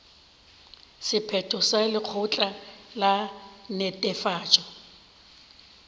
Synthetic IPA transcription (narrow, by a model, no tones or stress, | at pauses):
sɪpʰɛtʼɔsalɪq͡χʰʊt͡ɬʼalanɛtʼɛfaːt͡ʃʼɔ